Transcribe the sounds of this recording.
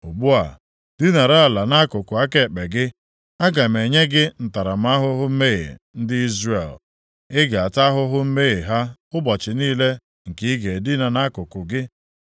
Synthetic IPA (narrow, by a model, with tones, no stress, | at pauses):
ʊ˨ɡ͡bu˦a̰˨ | di˦na˨ɾa˦˨a˨la˨na˦kʊ˨kʊ˨a˦ke˨k͡pe˨ɡɪ˦ | a˦ɡa˨m̩˨e˨ɲe˦ɡɪ˦n̩˨ta˨ɾa˨m˦a˦ɦʊ˦ɦʊ˦m̩˦me˦ɣḛ˨n̩˦dɪ˦i˦zre˨l | ɪ˦ɡa˨a˨ta˦ɦʊ˦ɦʊ˦m̩˦me˦ɣe˨ɦa˦ʊ˦bɔ˨t͡ʃɪ˨niː˦le˦ | ŋ̩˨ki˦ɡe˨di˦na˨na˦kʊ˨kʊ˨ɡɪ˦